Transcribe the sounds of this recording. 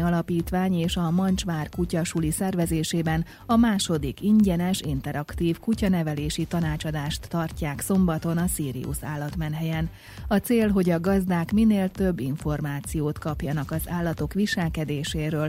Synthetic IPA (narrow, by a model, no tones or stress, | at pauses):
ɒlɒpiːt̪ʋaːɲeːʃɒmɒnt͡ʃʋaːrkucɒʃulisɛrvɛzeːʃeːbɛn | ɒmaːʃo̞d̪ikiɲɟɛnɛʃint̪ɛɾɒkt̪iːfkucɒnɛvɛleːʃit̪ɒnaːt͡ʃɒd̪aːʃt̪ːɒrcaːkso̞mbɒt̪o̞nɒsiːɾḭṵsa̰ːlːɒt̪mɛnɦɛjɛn | ɒt̪seːlɦo̞ɟɒɡɒzd̪aːkmineːlt̪ø̞bːiɱfo̞rmaːt̪sijoːt̪kɒpjɒnɒkɒzaːlːɒt̪o̞kʋiʃɛlkɛd̪eːʃeːɾøːl